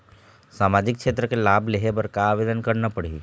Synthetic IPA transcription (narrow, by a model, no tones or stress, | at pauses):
saːmad͡ʒɪk̚kʃeːt̪ɾəkelabʱleɦebəɾkaːʋed̪ənkəɾnapəɽḛ